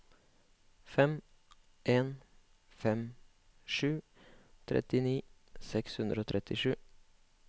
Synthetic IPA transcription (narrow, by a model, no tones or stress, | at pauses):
fɛm | ʔeːn | fɛm | ʃʉː | t̪ʰɾʔɛ̰t̪ɪniːsɛkshʉnd̪ɾəoːt̪ʰɾɛt̪ɪʃʉː